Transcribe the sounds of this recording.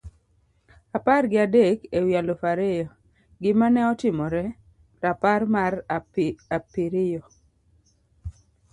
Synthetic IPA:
aparɡɪadekewialofaɾejɔ | ɡɪmanɛɔtɪmɔɾɛ | ɾaparmaraapiɾɪjɔ

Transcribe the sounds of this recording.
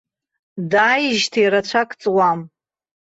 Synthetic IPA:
daːjʒtʰajɾat͡ɕʷʰakʼt͡sʼwam

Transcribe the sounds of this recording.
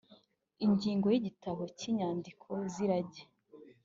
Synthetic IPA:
iɲɟiːŋɡo̞jiɟitaβo̞ciɲaːndikʰo̞ziɾaɟe

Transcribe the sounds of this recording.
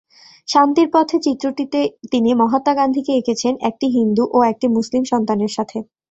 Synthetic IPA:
ʃant̪iɾpɔt̪ʰet͡ɕit̪ːɾoʈit̪et̪inimɔɦat̪ːaɡand̪ʱikeekʰet͡ɕʰenɛk̚ʈiɦind̪uʔoek̚ʈimuslimʃɔnt̪aneɾʃat̪ʰe

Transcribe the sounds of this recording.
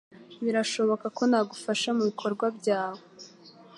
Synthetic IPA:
βiɾaʃo̞βo̞kako̞naːɡufaʃamuβikʰo̞ɾɡwabɟaːwo

